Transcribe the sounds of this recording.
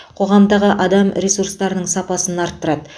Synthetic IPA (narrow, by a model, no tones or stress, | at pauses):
qʰo̞ʁɑmd̪ɑʁəʔɑd̪ɑmɾʲesuɾst̪ɑɾnəɴsɑpɑsənɑɾt̪ːəɾɑd̪ə